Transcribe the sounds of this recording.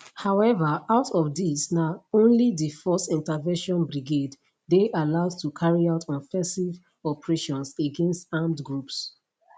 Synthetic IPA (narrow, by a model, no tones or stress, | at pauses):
haʊɛvəaʊtʰɔfdisnaʊõnlidəfɔstĩntəvɛ̃nʃɔ̃nbɹiɡed | deʔalaʊdtʰukʰaɹiaʊtʰɔ̃nfɛ̃siv | ɔpəɹeʃɔ̃nseɡɛ̃nstãndɡɹups